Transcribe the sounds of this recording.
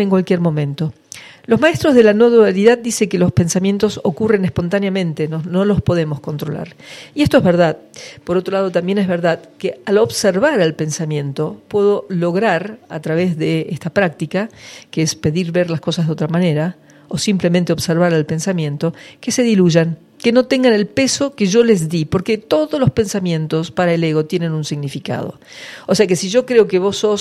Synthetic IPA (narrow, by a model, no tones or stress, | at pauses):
eŋkwalkjeɾmõ̞mẽnt̪o̞ | lo̞zmaest̪ɾo̞zð̞e̞lano̞ðualiðað̚d̪iseŋkelo̞spe̞nsamje̞nt̪o̞sokure̞nespo̞nt̪anjamẽ̞nt̪enono̞lo̞spo̞ðe̞mo̞sko̞nt̪ɾo̞la̰ɾiest̪oezβeɾðaðpoɾot̪ɾo̞lað̞o̞t̪ambje̞nezβeɾðaðkealo̞βseɾβaɾalpe̞nsamjẽ̞nt̪o̞pwe̞ðo̞lo̞ɣɾaɾa̰t̪ɾaβ̞ezðeest̪apɾak̚t̪ikakeespe̞ðiɾβe̞ɾlasko̞sazðeo̞t̪ɾamaneɾa | osimplemẽnt̪eo̞βseɾβaɾalpe̞nsamjẽ̞nt̪o̞ke̞se̞ðiluʒaŋ | keno̞t̪e̞ŋɡane̞lpe̞so̞keʒo̞le̞zðipo̞ɾket̪o̞ðozlo̞spe̞nsamjẽ̞nt̪ospaɾaeleɣo̞t̪je̞ne̞nunsiɣnifika̰ð̞o̰ose̞akesiʒo̞kɾeokeβo̞sos